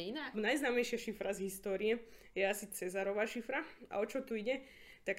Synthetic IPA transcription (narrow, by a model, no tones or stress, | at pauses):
inanajznaːmɛjʃɪaʃifɾazɦist̪ɔːɾiɛ | jɛasit͡sɛzaɾɔʋaːʃifɾaa̰ɔt͡ʃɔt̪uiɟɛ | t̪ak